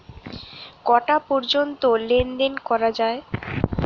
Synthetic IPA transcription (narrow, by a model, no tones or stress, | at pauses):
kɔʈapɔɾd͡ʑont̪olend̪enkɔɾad͡ʑae